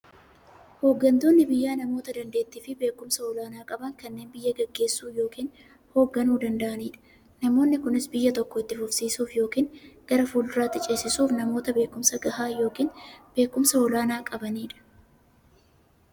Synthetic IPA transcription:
ho̞ːɡːɐnt̪o̞ːnːɪbɪjːaːnɐmo̞ːt̪ɐd̪ɐnd̪e̞ːt̪ːiːfɪbe̞ːkːʊmsɐɔlaːnaːkʼɐbɐŋkɐnːe̞ːnbɪjːɐɡɐɡːe̞ːsːuːjo̞ːkiːn | ho̞ːɡːɐnuːd̪ɐnd̪ɐʔɐniːᶑɐ̥ | nɐmo̞ːnːɪkʊnɪsbɪjːɐt̪ɔkːɔɪt̪ːɪfʊfsiːsuːfjo̞ːkiːnɡ̥ɐɾɐfuːlɪraːt̪ːɪt͡ʃʼeːsɪsuːfnɐmo̞ːt̪ɐbe̞ːkʊmsɐɡɐhaːjo̞ːkiːnb̥e̞ːkːʊmsɐɔlaːnaːkʼɐbɐniːᶑɐ̥

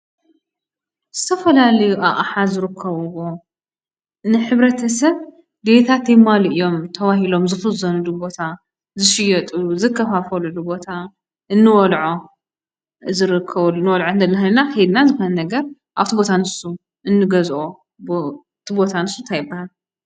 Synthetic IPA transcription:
z̥ɨt̪ʰɐfɐlalɐjuʔaʔħazɨɾɨkʰːɐβɨɣo | nɨħɨβɾɐt̪ʰɐsɐβ | d̪et̪ʰat̪ːejmalʔijo̞mt̪ʰɐwahilo̞mzɨfɨzɐnulubo̞t̪ʰa | zɨʃɪjɐt̪ʼuzɨkʰːɐfafɐlulubo̞t̪ʰa | ʔɨnːɨwɔlʕo | zɨɾɨkʰːɐnːɨwɔlʕoɨnd̪ɐlːxɨnnakɐjed̪nazɨxonɐnɐɡɐɾ | ʔaβt̪ʰibo̞t̪ʰanɨsu | ʔɨnːɨɡɐzʔo | t̪ʰibo̞t̪ʰanɨsunt̪ʰajɪbːahal

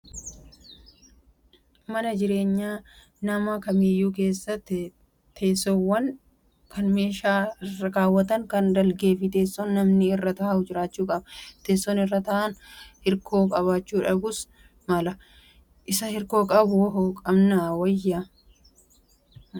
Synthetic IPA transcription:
mɐnɐd͡ʒɪɾe̞ːɲːaː | nɐmɐkɐmijːuːk̬e̞ːsːɐt̪ːɪ | t̪ʰeːsːowːɐn | kɐnme̞ːʃaːɪrːɐkaːwːɐt̪ɐŋkɐnd̪ɐlɡe̞ːfɪt̪e̞ːsːɔnːɐmnɪɪrːɐt̪ɐhɐʊd͡ʒɪɾaːt͡ʃːuːkʼɐbɐt̪e̞ːsːɔnɪrːɐt̪ɐʔɐnhɪɾkʰo̞ːkʼɐβaːt͡ʃːuːᶑɐɡʊs | mɐlɐ | ʔɪsɐhɪɾko̞ːkʼɐbʊwɔɦokʼɐmnɐwɐjːa

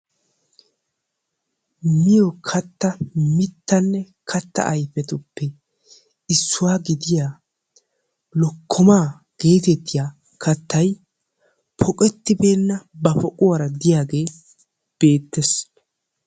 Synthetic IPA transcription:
mɪjɔkʰɐt̪ːɐmɪt̪ːɐnːɛ | kʰɐt̪ːɐ̰ʔɐjfɛt̪ʊpːɛ | ɪsːʊwaːɡɪd̪ɪjaː | lɔkʰːɔmaː | ɡ̥e̞ːt̪ɛt̪ːɪjaː | kʰɐt̪ːɐj | pʰɔkʼɛt̪ːɪbe̞ːnːɐbɐfɔkʼʊwɐɾɐd̪ɪjaːɡe̞ː | b̥e̞ːt̪ːɛs

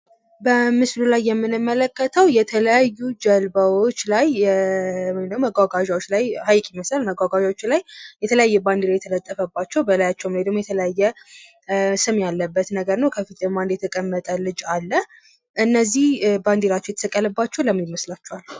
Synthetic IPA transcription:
bəmɨslulajːɛmːɨnɨmːələkːət̪ʰəwjɛt̪ʰələjajːud͡ʒəlbəwot͡ʃːlaj | wjnəwməɡʷaɡaʒawot͡ʃːlajhajkʼiməsalməɡʷaɡaʒawot͡ʃːɪnlajjɛt̪ʰələjajːɛband̪iɾawjɛt̪ʰələt̪ʼːəfəbːat͡ʃːɛwbəlajat͡ʃːɛwmled̪əmojɛt̪ʰələjajːɛ | sɨmjalːəbːət̪nəɡəɾnəwkʰəfit̪əmand̪jɛt̪ʰəkʼəmːət̪ʼəlɨd͡ʒalːə | ʔɨnːəzːihband̪eɾat͡ʃːɛwjɛt̪ə̥səkʼːələbːat͡ʃːɛwləmːiməslat͡ʃːɛwal

